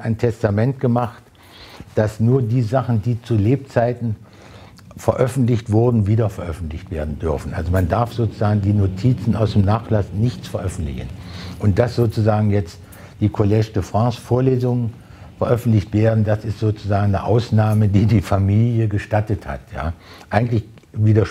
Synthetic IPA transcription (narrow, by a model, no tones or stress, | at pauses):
ʔaɪntʰɛstamɛntɡ̥əmaχt | d̥asnuːɐdiːzaχn̩diːt͡suleːp̚t͡saɪtn̩ | fɛɐʔœfn̩tlɪçtv̥ʊɐdn̩viːdɐfɛɐʔœfn̩tlɪçtv̥eːɐdn̩dʏɐfn̩ʔa̰lzomandaɐfz̥oːt͡suzaːɡŋ̩diːnotʰiːt͡sn̩ʔa̰ʊsd̥eːmnaːχlasnɪçt͡sfɛɐʔœfn̩tlɪ̰çn̩ʔʊnt̚d̥asz̥oːt͡suzaːɡŋ̩jɛt͡st | d̥iːkʰolɛʃtəfʁ̥ãːsfoːɐleːzʊŋən | fɛɐʔœfn̩tlɪçtv̥eːɐdn̩dasɪstz̥oːt͡suzaːɡŋ̩nəʔa̰ʊsnaːmədiːdiːfamiːljəɡəʃtatətha̰tja̰ː | ʔaɪɡŋ̩tlɪç | viːdɐʃ